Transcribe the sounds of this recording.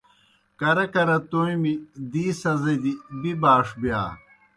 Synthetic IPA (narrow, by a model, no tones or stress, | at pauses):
kɐɾɐkɐɾɐt̪oĩmid̪iːsɐzɐd̪ibibaːʂbja̰ː